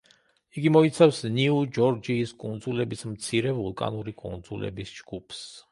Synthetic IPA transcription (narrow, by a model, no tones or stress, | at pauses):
iɡimɔit̪sʰafsniud͡ʒɔɾd͡ʒiːskʼund̪zulɛbismt̪sʰiɾɛvulˠkʼa̰nuɾikʼund̪zulɛ̰bisd͡ʒɡ̥upʰs